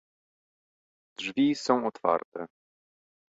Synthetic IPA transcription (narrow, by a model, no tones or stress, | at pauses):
d̪ʐvʲisɔ̃w̃ɔt̪fa̰ɾt̪ɛ